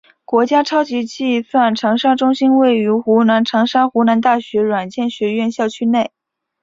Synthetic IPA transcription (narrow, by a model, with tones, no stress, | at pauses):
kwɔ˧˥t͡ɕja˥ʈ͡ʂʰɑ˥ʊt͡ɕi˧˥t͡ɕi˥˧swa˥˩nʈ͡ʂʰɤ˧˥ŋʂa˥ʈ͡ʂʊ˥ŋɕi˥nwe˥˩ɪy˧˥xu˧˥na˧˥nʈ͡ʂʰɤ˧˥ŋʂa˥xu˧˥na˧˥nt̪a˥˩ɕɥɛ˧˥ɻwa˨˩nt͡ɕjɛ˥˩nɕɥɛ˧˥ɥɛ˥˧nɕjɑ˥˩ʊt͡ɕʰy˥ne˥˩ɪ